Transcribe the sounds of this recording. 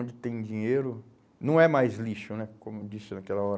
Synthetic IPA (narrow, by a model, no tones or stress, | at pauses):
d͡ʒɪt̪ẽj̃d͡ʒĩɲejɾʊ | nɐ̃w̃ɛmajzliʃʊnɛkõmʊd͡ʒisɪnakɛlɐɔɾ